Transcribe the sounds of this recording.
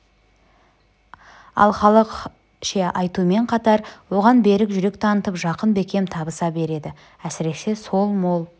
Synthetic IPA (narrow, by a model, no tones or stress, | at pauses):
ɑ̰lˠχɑlˠəq | ʃeʔɑjt̪uəme̞ɴqʰɑt̪ɑɾwo̞ʁɑnbe̞ɾɪkʒʏɾe̞k̚t̪ʰɑnət̪əpʒɑqənbe̞kʲe̞mt̪ʰɑbəsɑbe̞ɾe̞d̪ɪ | æsɪɾe̞kʃe̞so̞lˠmolˠ